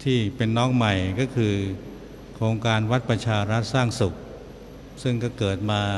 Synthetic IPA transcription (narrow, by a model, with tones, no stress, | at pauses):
t̪ʰiː˥˩pe˧nːɔː˦˥k̚ma˨˩jkɔː˥˩kʰɯː˧ | kʰɾoː˧ŋkaː˧nwa˦˥t̪̚pɾa˧t͡ɕʰaː˧ɾa˦˥t̪̚saː˥˩ŋsu˨˩k̚ | sɯ˥˩ŋkɔː˥˩kɤː˨˩t̪̚maː˧